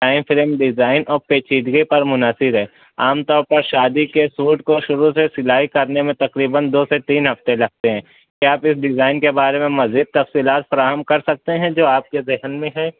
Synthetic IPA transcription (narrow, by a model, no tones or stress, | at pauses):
ʈaːɪnfɪlmɖɪzaːɪnɔːɾpeːt͡ʃiːd̪ɡepɐɾmʊnaːsɪɾɦɛː | aːmt̪ɔːɾpɐɾʃaːd̪ikesuːʈkoʃʊɾusesɪlaːɦikɐɾnemẽt̪ɐkɾiːbənd̪oːset̪iːnɦɐft̪elɐɡ̚t̪eɦɛ̃ː | kiaːpɪsɖɪzaːɪnkebaːɾemẽmɐziːd̪̚t̪ɐfsiːlaːt̪fɐɾaːɦəmkɐɾsɐk̚t̪eɦɛ̃d͡ʒoːaːp̚kezɪɦənmẽɦɛ̃ː